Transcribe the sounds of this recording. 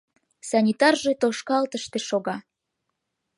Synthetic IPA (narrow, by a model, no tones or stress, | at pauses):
sɑnʲit̪ɑrʒet̪oʃkɑlt̪əʃt̪eʃoɣɑ